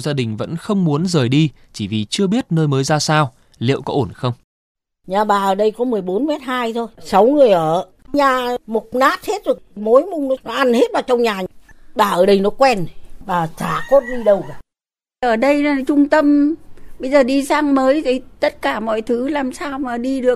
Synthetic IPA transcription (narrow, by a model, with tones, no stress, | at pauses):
zaː˧ɗï˨˩ŋ̟və̰˧˥nxə˧wŋ͡mmu˨˦ənzəː˨˩jɗi˧ | t͡ɕi˧˩vi˨˩t͡ɕɨ˧əɓi˦˥ət̚nəː˧jməː˨˦jzaː˧saː˧w | lḭ˧˨əwkɔ˨˦ʔo˧˩nxə˧wŋ͡m | ɲaː˨˩ɓaː˨˩ʔəː˨˩ɗə˧jkɔ˨˦mɨ˨˩əjɓo˨˦nmɛ˦˥t̚haː˧jt̪ʰo˧jsa˨˦wŋɨ˨˩əjʔəː˧˩ | ɲaː˨˩mo˨˩t̚naː˦˥t̚he˦˥t̚ɗɨ˨˩ək̚mo˨˦jmʊ˧ŋ͡mnɔ˨˦nɔ˨˦ʔa˧nhe˦˥t̚vaː˨˩t͡ɕɔ˧wŋ͡mɲaː˨˩ɓaː˨˩ʔəː˧˩ɗə˧jnɔ˨˦kwɛ˧nɓaː˨˩t͡ɕaː˧˩ko˦˥t̚ɗi˧ɗə˧wa˨˩ | ʔəː˧˩ɗə˧ja˨t͡ɕʊ˧ŋ͡mt̪ə˧mɓə˧jzəː˨˩ɗi˧saː˧ŋməː˨˦jt̪ʰi˨˦t̪ə˦˥t̚kaː˧˩mɔ̰˧˨jt̪ʰɨ˨˦laː˨˩msaː˧wmaː˨˩ɗi˧ɗɨ˨˩ək̚